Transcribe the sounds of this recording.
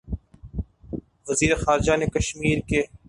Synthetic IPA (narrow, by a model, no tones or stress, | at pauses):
ʋəziːɾexaːɾd͡ʒanekɐʃmiːɾke